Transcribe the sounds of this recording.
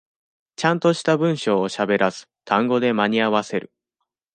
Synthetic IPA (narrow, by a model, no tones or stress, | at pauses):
t͡ɕãnt̪o̞ɕi̥t̪abɯ̟̃ɰ̃ɕo̞ːɕabe̞ɾʔasɨ̥t̪ʰãŋɡo̞d̪e̞maɲ̟iaβase̞ɾɯ̟